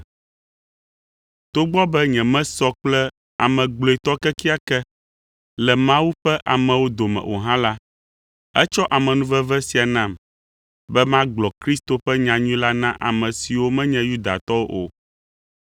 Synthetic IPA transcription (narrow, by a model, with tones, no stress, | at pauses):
t̪o˦ɡ͡bɔ˦bɛ˦ɲɛ̃˨mɛ̃˦sɔ˦k͡plɛ˦ | a˨mɛ̃˨ɡ͡blo˨ɛ˨t̪ɔ˦kɛ˦ki˦a˨kɛ˦ | lɛ˨mã˦wu˦ɸɛ˦ʔa˨mɛ̃˨wo˦d̪o˨mɛ̰̃˨ʔo̰˨ɦã˦la˦ | ɛ˦t͡ʃɔ˦ʔa˨mɛ̃˨nũ˦vɛ˦vɛ˦si˨a˨nã˦m | bɛ˦mã˦ɡ͡blɔ˨kɾi˦st̪o˨ɸɛ˦ɲã˨ɲũ˦la˦nã˦ʔa̰˨mɛ̃˨si˨wo˦mɛ̃˦ɲɛ̃˦ju˦d̪a̰˨t̪ɔ˦wo˦ʔo̰˨